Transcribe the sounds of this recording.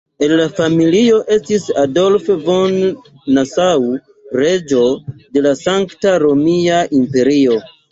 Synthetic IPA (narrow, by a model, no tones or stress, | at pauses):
e̞nlafamilio̞ʔe̞stisado̞lfvonː | asaw | ɾe̞d͡ʒo̞de̞lasaŋktaɾo̞miaʔimpe̞ɾio̞